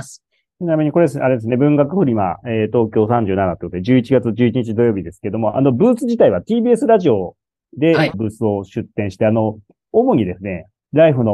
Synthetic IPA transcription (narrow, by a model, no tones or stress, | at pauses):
sɨ̥ | t̪enamʲiɲ̟iko̞ɾe̞d̪e̞sɨaɾe̞d̪esɨne̞bɯ̟̃ŋɡakɯ̟ɸɯ̟ɾʲima̰eːt̪o̞ːkʲo̞ːsãɲ̟d͡ʑɨ̟ːnanat̪ekot̪od̪eʑɨːit͡ɕiɡat͡sɨʑɨːit͡ɕiɲ̟it͡ɕid̪o̞jo̞ːbʲid̪e̞sɨ̥keed̪o̞mo̞ʔa̰no̞bɯ̟ːsɨʑit̪aiβat̪iːbiːe̞sɨɾaʑio̞ | d̪e̞bɯ̟ːsɨo̞ɕɨt̪ːẽɰ̃ɕi̥t̪e̞ano̞ | omoɲ̟ʲid̪e̞sɨne̞ | ɾaiɸɯ̟no̞